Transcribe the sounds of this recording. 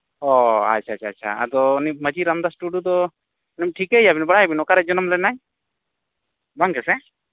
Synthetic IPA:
ɔa̰tt͡ʃʰat͡ʃʰaːtːʃʰa̰a̰d̪ɔniməd͡ʒiɾamd̪asʈuɖjud̪ɔ | nɛmʈʰikejabinbəɽajbinɔkaɾɛd͡ʒɔnɔmlɛnaj | baŋkɛsɛ

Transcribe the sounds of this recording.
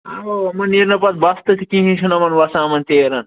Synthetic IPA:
aomɐniɾnɐpɐt̪̚bɐst̪ɐt̪ʰikĩɦĩt͡ʃʰunɐmɐnʋɐsãːmɐnt̪eːɾɐn

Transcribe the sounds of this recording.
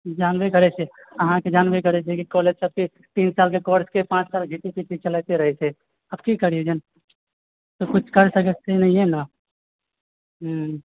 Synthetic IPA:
d͡ʒaːnʋekɐɾet͡ʃʰe | ɐɦãked͡ʒaːnʋekɐɾet͡ʃʰekikɔːleːd͡ʒsɐb̚ki | t̪iːnsaːlkekɔːɾskepãːt͡ʃsaːlɡʱit̪ipikit͡ʃəlaːt̪eɾɐɦet͡ʃʰe | ɐbkikəɾied͡ʒən | t̪okʊt͡ʃʰkɐɾsəkət͡ʃʰt̪einɐɦĩɦɛna | ɦ

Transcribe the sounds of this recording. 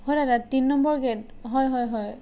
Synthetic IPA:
hɔjdadatinːɔmbɔɹɡɛt | ɦɔjɦɔjɦɔj

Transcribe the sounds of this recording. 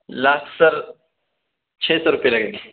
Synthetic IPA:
lakʰsəɾ | t͡ɕʰesəɾupjeləɡele

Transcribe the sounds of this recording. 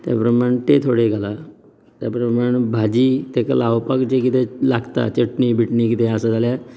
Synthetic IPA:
t̪ja̰pɾəmaɳet̪et̪ʰoɽeɡʱala | t̪japɾəmaɽebʱad͡ʑiːt̪ekalaʋpakt͡ɕekit̪ʰelaɡt̪a̰t͡ɕəʈɳibʱiʈnikit̪ʰeəsad͡zʱalja

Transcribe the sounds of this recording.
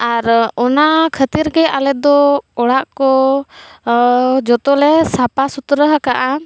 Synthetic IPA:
aɾɔnakʰət̪iɾkɛalɛt̪̚d̪ɔɔɽaʔkɔ | d͡ʒɔt̪ɔlɛsapasut̪ɾəɦəkaʔa

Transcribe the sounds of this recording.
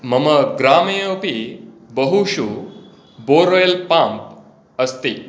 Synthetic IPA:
mɐməɡɾaːmeopibəɦuɕu | boɾojelpamp | əst̪i

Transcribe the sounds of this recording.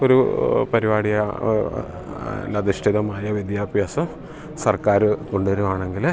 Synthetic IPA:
o̞ɾupɐɾiʋaːɽijɐ | lɐd̪iʂʈʰiðɐmaːjɐʋid̪jaːbjaːsɐm | sɐrkaːɾɨko̞ɳɖuʋɐɾumaːɳe̞ŋɡil

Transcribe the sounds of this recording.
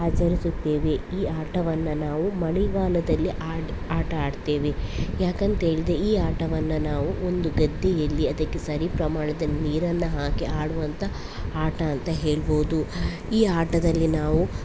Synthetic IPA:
aːt͡ʃɐɾisut̪ːeːʋeiːaːʈɐʋɐnːɐnaːʋumɐɭiɡaːlɐd̪ɐlːiʔaːaːʈɐaːɖt̪e̞ːʋejaːkɐnt̪ɐɦe̞ːɭid̪eiːaːʈɐʋɐnːɐnaːʋuond̪uɡɐd̪ʱːijɐlːiɐd̪ɐkːesɐɾipɾɐmaːɳɐd̪ɐniːɾɐnːɐɦaːkeaːɽuʋɐnt̪ʰɐ | aːʈɐːnt̪ɐɦe̞ːɭboːd̪u | iːaːʈɐd̪ɐlːinaːʋu

